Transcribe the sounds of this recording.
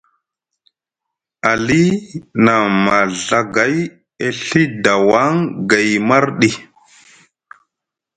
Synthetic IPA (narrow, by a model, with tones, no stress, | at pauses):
a˨li˦na˨ma˨ɮa˦ɡa˨˦j | e˦ɬi˦da˨wa˦ŋɡa˨jma˦ɾɗi˨